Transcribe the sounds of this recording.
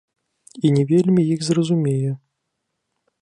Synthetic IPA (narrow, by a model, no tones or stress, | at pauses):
inʲɛvʲelʲmʲijixzrɐzumʲejɛ